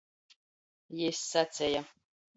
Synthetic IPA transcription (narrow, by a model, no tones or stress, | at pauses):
jesat͡sɛja